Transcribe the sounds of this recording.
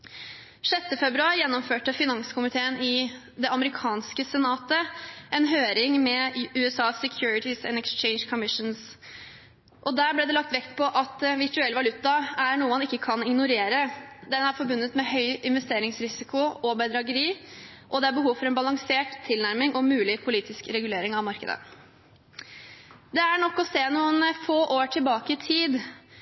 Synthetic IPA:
ʂœt̪ːəfɛbɾʉɑːɾjɛnːɔmføːʈəfɪnɑŋskʰʊmɪt̪ʰeːənɪ | d̪ɛɑməɾɪkʰɑːnskəsɛnɑːt̪əʔɛnɦøːɾɪŋmɛʉːɛsɑːsɛkʰjuːɾɪt̪ɪsɛ̰nɛkst͡ʃɛɪnskʰɔmɪʂns | ʔɔd̪æːɾblɛd̪ɛlɑk̚t̪ʋɛkt̪pʰɔʔɑt̪ʋɪʈʉɛlːʋɑlʉt̪ːɑæɾɳuːəmɑnɪkːəkʰɑnɪŋnʊɾeːɾəd̪ɛnːəæɾfɔɾbʉnːət̪mɛhœʏɪnʋɛst̪eːɾɪŋsɾɪsɪkʊʔɔbæɪd̪ɾɑɡəɾiː | ʔɔd̪ɛæɾbəɦuːʋfɔɾɛnbɑlɑŋseːʈt̪ʰːɪlnæɾmɪŋʔɔmʉːlɪpʰʊliːt̪ɪskɾɛɡʉleːɾɪŋɑʋmɑɾkə̰d̪ə̰ | d̪ɛæɳɔkːɔseːnuːənfoːʔoːʈʰɪlbɑːkəɪt̪ʰiːd̪

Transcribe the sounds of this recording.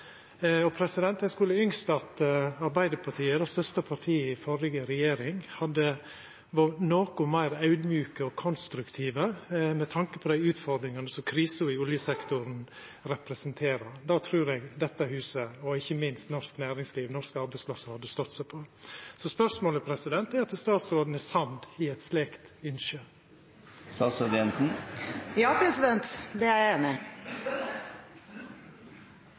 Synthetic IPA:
ɔpʰɾɛsɪd̪ɛnt̪ɛnskʉːləʏŋst̪ɑt̪ɑɾbæɪd̪əpʰɑʈʰiːəd̪ɛst̪œʂt̪əpʰɑɾʈ̪ʰiːəɪfɔɾɪɡəɾɛjeːɾɪŋhɑd̪ːə | ʋɑnoːkʊmæɪɾɑʉd̪mjʉːkəɔkʰɔnst̪ɾʉkt̪ʰiːʋəmɛt̪ʰɑŋkəpʰɔd̪æɪʉːt̪fɔɾd̪ɾɪŋɑnəsɔmkʰɾiːsəʊɪʊljəsɛkt̪ʊɾn | ɾɛpɾɛsənt̪ʰeːɾəɾd̪ɑːt̪ʰɾʉːɾɛɡd̪ɛt̪ːəhʉːsəɔɪçːəmɪnst̪nɔsknæːɾɪŋsliːʋnɔʂkɑɾbæɪsplɑsəhɑd̪ːəst̪ɔt̪ːsæɪpʰɔsɔspœɾsmoːləpʰɾɛsɪd̪ɛnt̪æɾɑt̪̚d̪ɛst̪ɑːt̪sɾoːd̪n̩ɛsɑnd̪ɪɛt̪sleːkt̪ʏnʃə | st̪ɑːsɔd̪ɛnsn̩jɑːpʰɾɛsɪd̪ɛnt̪d̪ɛæɛnɪ

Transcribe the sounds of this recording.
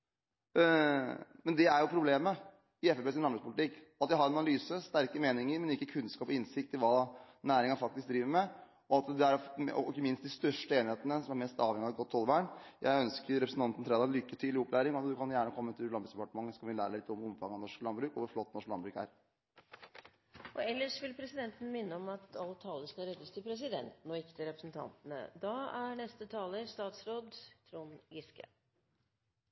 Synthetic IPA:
mɛnd̪ɛæɾjʊpʰɾʊbleːmə | ɪɛfɛpeːs̬ɪnɑnbɾʉkspʊlt̪ʰɪkːɑt̪jæɪhɑɾɑnɑnɑlyːsəst̪æɾkəmeːnɪŋəɾmɛnɪkːəkʰʉnskɑːpɔɪnsɪk̚t̪ɪlʋɑː | næːɾɪŋɑnfɑk̚t̪ɪsk̚d̪ɾiːʋəɾmɛ | ɔɑt̪d̪ɛæɾɔ̰ɪkːəmɪnst̪d̪ɪst̪œʂʈəeːnɪheːt̪ənəsɔmæɾmɛst̪ɑːʋhɛŋɪɑɡɔt̪ʰːɔlʋæːɳjʔæ̰ɪœnskəɾɾɛpɾsn̩t̪ɑnt̪n̩t̪ʰɾeːd̪ɑɛnlʏkːət̪ʰyːlɪɔplæːɾɪŋɔɑt̪d̪ʉkʰɑnjæːɳəkʰɔmːət̪ʰːɪlɑnbɾʉksd̪ɛpɑʈəmɑŋːəskɑʋɪlæːɾəælɪt̪ːɔmʊmfɑŋːəɑnɔʂklɑnbɾʉːkɔʋʊɾflɔt̪ːnɔʂklɑ̰nbɾʉːkæ̰ɾ | ʔɔɛlːəʂʋɪlpʰɾɛsɪd̪ɛnt̪n̩mɪnːəɔmɑt̪ɑlət̪ʰːɑːlːəskɑlɾɛd̪ːəst̪ʰɪlpʰɾɛs̬ɪd̪ɛ̰nt̪n̩ɔɪkːə̥t̪ʰɪɾɛpɾəsn̩t̪ʰɑ̰nt̪ənə̰d̪ɑːæɳɛst̪ət̪ʰɑːləst̪ɑːt̪sɾoːd̪t̪ʰɾuːnɡɪskə̰

